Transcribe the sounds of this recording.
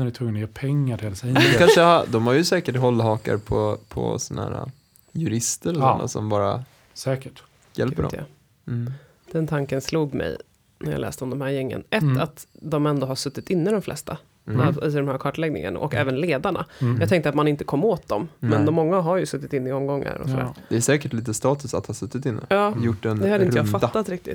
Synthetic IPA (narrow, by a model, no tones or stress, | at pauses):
næɖɪt̪ʰɵŋːənɔjeːpʰɛŋːaʈɪlsɛɔkʰanʂəhad̪ɔmhaɾjɵsɛːkəʈɦɔlːɦɑːka̰ɾpʰɔpʰɔ̰sɔnahæ̰ːɾa̰ | jɵɾɪst̪əɾɔsɔɔnːa̰sɔ̰mbɑːɾa̰ | sɛːkəʈ | jɛ̰lpəɾdɔ̰ | d̪̥ɛnt̪ʰaŋkənsluːɡmɛ̰j | næɾja̰lɛ̰ːst̪əɔmd̪ɔmɦæːɾjɛŋːə̰nɛt̪ːat̪d̪ɔmɛnd̪oːɦaʂɵt̪ːɪt̪ɪnːəd̪ɔmflɛ̰st̪a | ɪd̪ɔmhæːɾkʰɑːʈlɛɡnɪ̰ŋə̰naʔɔkɛ̰ːvənleːd̪aɳa̰jɑːɡt̪ʰɛŋkt̪əat̪manɪnt̪əkʰɔmːoːt̪̚d̪ɔmmɛnd̪ɔmːɔŋːaɦaɾjɵsɵt̪ːɪt̪ɪnːɪɔmɡɔŋːa̰ɾɔ̰sɔd̪æ̰ːɾd̪ɛʂɛːkəʈliːt̪əst̪ɑːt̪ɵsat̪hɑːsɵt̪ːɪt̪ɪnːə̰ɑːjʊʈːɛnd̪ɛhad̪əɪnəjaːfat̪ːat̪ɾɪk̚t̪ɪ̰t̪ː